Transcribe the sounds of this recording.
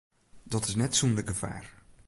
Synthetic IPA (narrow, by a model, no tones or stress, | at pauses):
d̥ɔtɪsnɛtsundəɡəfa̰ːr